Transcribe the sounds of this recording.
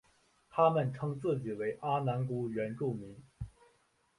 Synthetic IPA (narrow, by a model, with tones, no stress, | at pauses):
t̪ʰa˥mə˥˨nʈ͡ʂʰɤ˥ŋt͡sɹ̩˥˩t͡ɕi˨˩we˧˥ɪʔa˥na˧˥nku˥ɥɛ˧˥nʈ͡ʂu˥˩mi˧˥ŋ